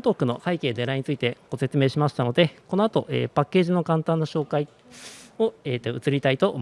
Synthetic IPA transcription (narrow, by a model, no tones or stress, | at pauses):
t̪oːkːɯ̟no̞haike̞ːd̪e̞ɾaiɲ̟it͡sɨit̪e̞ɡ̥o̞se̞t͡sɨme̞ːɕimaɕi̥t̪ano̞d̪e̞ko̞no̞at̪o̞ʔḛːpakːe̞ːʑino̞kãnt̪ãnːaɕo̞ːkai | o̞eːt̪ːoɯ̟t͡sɨɾʲit̪ait̪o̞ʔom